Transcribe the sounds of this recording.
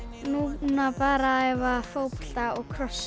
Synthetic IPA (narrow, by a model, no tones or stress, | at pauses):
nunapaːɾaɛvafowpɔ̥ɬt̪aɔkʰɾɔs